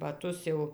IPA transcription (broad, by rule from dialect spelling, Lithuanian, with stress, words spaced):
bɐˈtʊs jɛʊ